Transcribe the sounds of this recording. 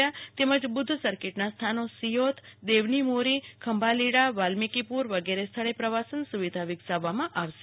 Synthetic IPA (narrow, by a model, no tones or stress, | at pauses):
at̪eməd͡ʒbʊd̪ʱːsəɾkeʈnast̪ʰanosijot̪ʰd̪eʋnimoɾikʰəmbʱaliɽaʋalmikipuɾʋəɡeɾest̪ʰəɭepɾəʋasənsuʋid̪ʱaʋɪɡsaʋːamãʔaʋʃe